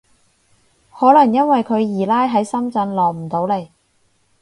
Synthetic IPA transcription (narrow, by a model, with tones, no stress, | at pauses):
hɔː˨˥lɐ˨˩ŋjɐ˥nwɐ˨jkʰɵ˨˧ɥjiː˨˩laː˥jɦɐ˨˥jsɐ˥mt͡sɐ˧nlɔː˨˩k̚m̩˨˩t̪o˨˧˥wle˨˩j